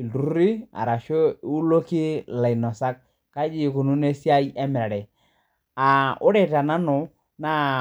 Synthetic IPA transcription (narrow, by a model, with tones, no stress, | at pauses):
ldu˦ɾi˦a̰˨ɾa˨ʃo˦u˦lo˦ki˦la˨i˨nɔ˨sa˦k̚ | ka˦d͡ʒi˦˨ku˨nu˦ne˦si˦a˦jɛ˦mɛ˨ɾa˨ɾɛ˨ | a˨ʊ˦ɾɛ˦ta˨na˦nɔ˨ | na˦